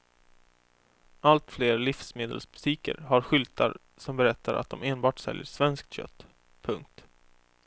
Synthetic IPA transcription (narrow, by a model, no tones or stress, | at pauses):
alt̪fleːɾlɪfsmeːd̪ə̰lsbɵ̥t̪ʰiːkə̰ɾɦaɾɧʏlt̪ʰaɾ | sɔmbɛɾɛt̪ʰːaɾʔa̰t̪̚d̪ɔmeːnbɑːʈsɛ̰ljəʂvɛnsk̚t̪ɕœ̰t̪ː | pʰɵŋk̚t̪